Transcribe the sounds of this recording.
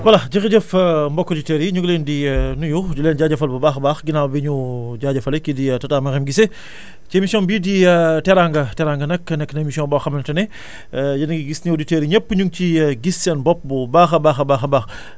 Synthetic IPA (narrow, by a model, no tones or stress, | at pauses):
wɐlɐɟixiɟəfmbɔkːoditeɾiɲuɡlendinujudilɛːnɟaːɟɐfɐlbubaːxbaːxɡinawbiɲuɟaːɟɐfɐlɛkiditɐtaːmɐxɛmɡise | t͡ʃiemisiɔnbiditɛɾaŋɡɐtɛɾaŋɡɐnɐkːnɛkːnɐemisiɔ̃ːnbɔxɐmɐntɐnɛ | jɐniɡiɡisnioditeɾiɲəpːɲuŋt͡ʃiɡisːɛnbɔp̚bubaːxɐbaːxɐbaːxɐbaːx